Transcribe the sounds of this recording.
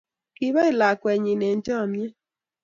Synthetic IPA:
ki˨˦βa˦i˦˨la˨kwɛ˨ɲi˨ne˨n˦tɔ˦a˨mjɛ˦

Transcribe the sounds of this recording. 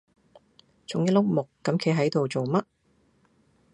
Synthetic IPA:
t͡sʊ˨˥ŋjlʊ˥k̚mʊ˨kːɐ˨˥mkʰe˨˥jɦɐ˨˥jt̪o˨wt͡so˨wmɐ˦˥t̚

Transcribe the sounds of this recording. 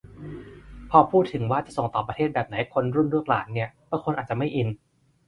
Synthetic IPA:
pʰɔː˧pʰuː˥˩t̪ʰːɯ˩˦ŋwaː˥˩t͡ɕa˨˩ʔso˨˩ŋt̪ɔː˨˩pɾa˧eː˥˩t̪̚bɛː˨˩p̚na˩˦jkʰo˧nɾu˥˩nɾu˥˩ək̚laː˩˦nːi˥˩ɐb̥ɯː˥˧kʰo˧nʔaː˨˩t̪̚t͡ɕa˨˩ma˥˩jʔi˧n

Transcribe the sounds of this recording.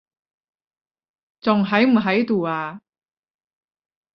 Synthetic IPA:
t͡sʊ˨˩ŋɦɐ˨˥jm̩˨˩ɦɐ˨˥jt̪uː˨˩aː˧

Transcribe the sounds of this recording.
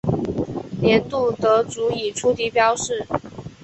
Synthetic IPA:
ljɛ˧˥nt̪u˥˩t̪ɤ˧˥t͡su˧˥i˨˩ʈ͡ʂʰu˥t̪ʰi˧˥pjɑ˥ʊʂɻ̩˥˩

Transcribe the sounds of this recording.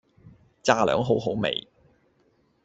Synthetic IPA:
t͡saː˧lœ̰ː˨˥ŋɦo˨˥wɦo˨˥wmḛ˨j

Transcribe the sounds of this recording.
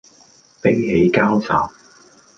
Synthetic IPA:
pe˥ŋhe˨˧jkaː˥wsa̰ː˨m

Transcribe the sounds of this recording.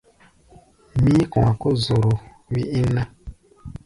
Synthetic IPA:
mĩ˦kɔ̃˨a˨ko˦zo˨ɾo˨ | wi˦ʔi˦na˦

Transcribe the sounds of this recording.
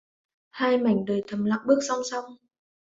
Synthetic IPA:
haː˧jma˨˧˩jŋ̟ɗəː˨˩jt̪ʰə˨˩mla̰ː˧˨ŋ͡mɓɨ˦˥ək̚sa˧wŋ͡msa˧wŋ͡m

